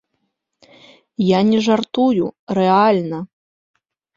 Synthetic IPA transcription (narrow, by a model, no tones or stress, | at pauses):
janʲɛʐart̪ujuɾɛalʲnɐ